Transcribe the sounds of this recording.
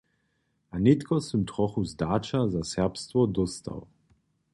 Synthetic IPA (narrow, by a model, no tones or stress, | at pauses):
ʔanɪt̪kɔsəmt̪ʁɔxuzd̪aːt͡ʃazasɛʁpst̪vɔd̪ɔst̪a̰w